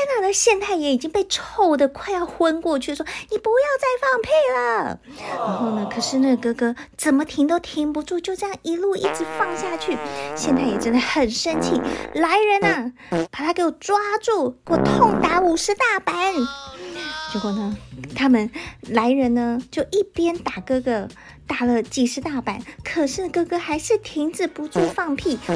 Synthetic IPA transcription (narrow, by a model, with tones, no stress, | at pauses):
na˥˩nə˧ɕjɛ˥˧nt͡sa˥˩ɪjɛ˧˥i˨˩t͡ɕi˥ŋpe˥˧ɪʈ͡ʂʰo˥˩ʊd̪ə˨kʰwa˥˧ɪjɑ˥˧ʊxwə˥nkwɔ˥˧t͡ɕʰy˥˩ʂwɔ˥ni˨˩pu˧˥jɑ˥˧ʊt͡sa˥˧ɪfɑ˥˧ŋpʰe˥˩ɪlə˨˩ɻa˧˥nxo˥˩ʊnə˩kʰɤ˨˩ʂɻ̩˥˧na˥˩kɤ˥kɤ˥t͡sə˨˩nmə˦t̪ʰi˧˥ŋt̪ɑ˥˩ʊt̪ʰjɛ˧˥ŋpu˧˥ʈ͡ʂu˥˧t͡ɕjo˥˧˥jɑ˥˧ŋi˧˥lu˥˧ḭ˥˩t͡ɕʰi˨˩fɑ˥˧ŋɕja˥˧t͡ɕʰy˥˩ɕjɛ˥˧nt͡s̪a˥˩ɪjɛ˨˩ʈ͡ʂə˥nd̪ə˨xə˨˩nʂə˥nt͡ɕʰi˥˩la˧˥ɪɻə˧˥nɐ˧ | pa˨˩t̪ʰa˥ke˧˥ɔ˨˩ʈ͡ʂwa˥ʈ͡ʂu˥˩kwɔ˥˩t̪ʰʊ˥˩ŋt̪a˧˥u˨˩ʂɻ̩˧˥t̪a˥˩pa˧˥˦n | t͡skwɔ˥˩nə˩t̪ʰa˥mə˨nla˧˥ɪɻə˧˥nnə˧t͡ɕjo˥˧ʊʔi˥˩pjɛ˥nt̪a˨˩kɤ˥˩kə˧ | t̪a˨˩lə˧t͡ɕi˨˩ʂɻ̩˧˥t̪a˥˩pa˧˥nkʰɤ˨˩ʂɻ̩˥˧nə˥˩kɤ˥kɤ˥xa˧˥ɪʂɻ̩˥˩t̪ʰi˧˥ŋʈ͡ʂɻ̩˨˩pu˧˥t͡su˥˧fɑ˥˧ŋpʰi˥˩